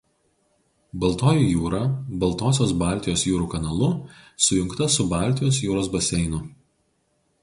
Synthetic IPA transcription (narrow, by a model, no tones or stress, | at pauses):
bɐlˠt̪oːjuˑjuːɾɑːbɐlˠˑt̪oːs̬ʲoːsbɑˑlʲt̪ʲɪjoːsjuːɾuːkɐnɐlˠʊsʊjʊŋkt̪ɐsʊbɑːˑlʲt̪ʲɪjoːsjuːɾoːsbɐsʲɛɪnʊ